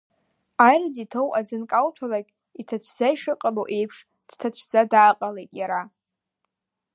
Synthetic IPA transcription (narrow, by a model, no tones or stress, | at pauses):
ajrad͡zitʰowʔad͡zɨnkʼawtʷʰalakʲʼ | itʰat͡ɕʷʰz̥aiʂɨqʼaloʔe̞jpʰʂ | d̥tʰat͡ɕʷʰzadaːqʼalejtʼjaɾa